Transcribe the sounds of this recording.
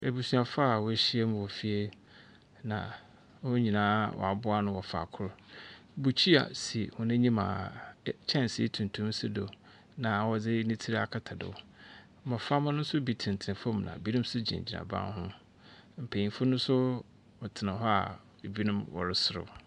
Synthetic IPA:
e˨bu˨su˨a˨fa˦˨wɔ˦˨ɕi˦e˦m̃˦wɔ˨fi˦e˦ | nã̰˨˦ | hɔ˦ɲĩ˨nãː˨˦wɔ̰˨a˨bʊ˦a˦nʊ̃˦wɔ˨fa̰˨kʰʊ˦ɾbu˨t͡ɕʰi˦a̰˨si˨hʊ̃˨nɪ̃˦ɲĩ˦mã̰˨t͡ɕʰɛ̃˦n˨sḭ˦tʰũ˨n˨tʰũ˦m˦sɪ˦do˨ | nã˨wɔ˨d͡zɪ˦nĩ˦tʰi˦ɾa̰˨kʰa˨tʰa˨dɪ̰˨w̩˨˦ | mɔ˨fa˦mã˦nʊ̃˦n̩˦sʊ˦bi˦tʰɪ̃˨n̩˨tʰñ˨fo˦m˨nã̰˨bi˦nʊ̃˦m˦sʊ˦d͡ʑḭ̃˨d͡ʑi˨nã̰˨bã̰˦nhʊ̃˦ | m̩˨pʰe˨ĩ˨fʊ˦nʊ̃˦sʊ˦ | ɔ˨tʰɪ˨nã˨ɦɔ˦a̰˨ | e˨bi˦nʊ̃˦mwɔ̰˨ɾɪ˦sʊ˦ɾʊ̰˨

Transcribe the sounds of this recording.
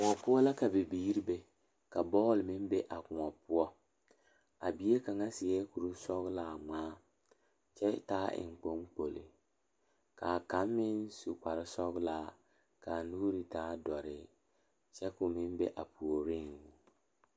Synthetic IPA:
kʊ˨ŋɔ˨pʊ˦ɔ˦la˦ka˨bɪ˨biː˦ɾi˦be˦ | ka˨bɔː˦˨lmɪ˦mbe˦ʔa˨kʊ˨ɔ˨pʊ˦ɔ˦ | a̰˨bi˦e˦ka˨ŋa˦sɪ˨ɛ˦ku˨ɾu˦sɔ˦ɣlaː˦˨ŋ͡maː˦ | t͡ʃɛ˦taː˦ʔɪ̰˨ŋ˨k͡po˦ŋk͡po˨lɪ̰˨ | ka˨ka˨˦mːɪ˦nsu˨k͡pa˨ɾɪ˦sɔ˦ɣlaː˨ | ka˨nuː˦ɾi˨taː˨˦dɔ˨ɾɪ˨ | t͡ʃɛ˦kʊ˨mɪ˦mbe˦ʔa˨pu˨o˨ɾi˦˨ŋu˨

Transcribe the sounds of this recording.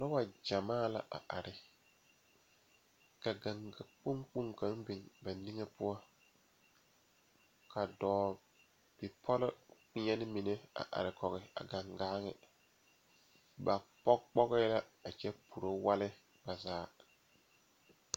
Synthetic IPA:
la˦wa˨d͡ʒa˨maː˦la̰˨ʔa̰˨ʔa˨ɾɪ˨ | ka˨ɡa˨ŋɡa˨k͡pʊ˦ŋk͡pu˦ŋka˨˦ŋbi˨ŋba˨ni˦ŋe˦pʊ˦ɔ˦ | kʰa˨dɔː˨ | b̥i˨pʰɔ˦lɪ˦k͡pɪ˦ɲɛ˦nɪ˦mi˨ne˦a̰˨ʔa̰˨ɾɪ˨kɔ˨ɣɪ˨a̰˨ɡa˨ŋɡaː˦ŋɪ̰˨ | ba˨pɔ˦k͡pɔ˦ɣɛ˦la˦a˨t͡ʃɛ˦pʰu˨ɾo˦wa˦lɪ˦ | ba˨zaː˨˦˨

